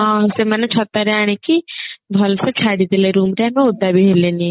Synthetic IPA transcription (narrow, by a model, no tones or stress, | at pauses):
ɦãːsemɛːnet͡ʃʰɔt̪ːaɾɛaːɽ̃ekibʱɔlset͡ʃʰaːɽid̪eleɾuːmɾɛamɛ̃od̪abʱiɦeleni